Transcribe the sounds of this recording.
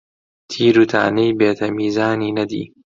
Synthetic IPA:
t̪ʰiːɾut̪ʰa̰ːnejbeːt̪ʰɐmiːzaːniːnɐd̪ḭː

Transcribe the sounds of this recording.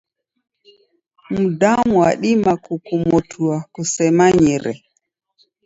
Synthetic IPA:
m̩damuwa̰ɗimakukumɔtʰuakusɛmaɲiɾɛ

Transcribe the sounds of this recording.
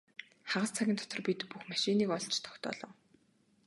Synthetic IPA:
χaʁə̆st͡sʰaɣʲɪ̆nt̪ʰɔt̪ɞ̆rpit̪puxmaʃiniːkɔɮt͡ɕʰt̪ʰɔ̥xt̪ɔ̰ːɮɞ̆ŋ

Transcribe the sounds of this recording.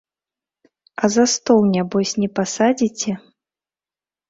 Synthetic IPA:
ɐzɐst̪ɔlnʲabɔsʲnʲɛpasad͡zʲit͡sʲɛ

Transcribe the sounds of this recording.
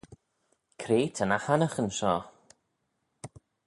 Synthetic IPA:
kʰɾeːtʰənahanəχənʃɔː

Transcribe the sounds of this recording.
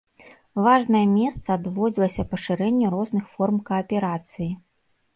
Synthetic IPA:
vaʐnɐjɐmʲɛst̪sɐːd̪vɔd͡zʲilˠɐsʲɐpɐʂɨɾɛnʲːɛɾɔznɨxfɔrmkɐɐpʲɛɾat̪sɨji

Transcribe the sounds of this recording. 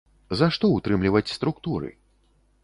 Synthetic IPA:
zaʂt̪ɔut̪ɾɨmlʲivɐt͡sʲst̪ɾukt̪uɾɨ̰

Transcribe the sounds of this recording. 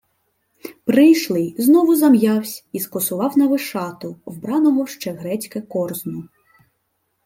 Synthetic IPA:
pɾɪjʃlˠɪznɔʋʊzɐmjɑwsʲiskɔsʊʋɑwnɐʋɪʃɑt̪ʊwbɾɑnɔɦɔʃt͡ʃɛɦɾɛt͡sʲkɛkɔrznʊ

